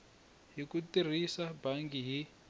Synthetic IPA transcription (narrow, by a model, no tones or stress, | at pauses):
ɦikutir̤isabaŋɡiɦi